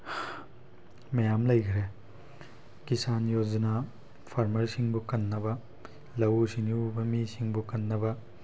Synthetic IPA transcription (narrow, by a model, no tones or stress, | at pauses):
mɐjamlɐjkʰɾe | kisanjod͡ʒɐna | pʰaɾmɐɾsiŋbukɐnːɐbɐ | lɐwusiniubɐmisiŋbukɐnːɐbɐ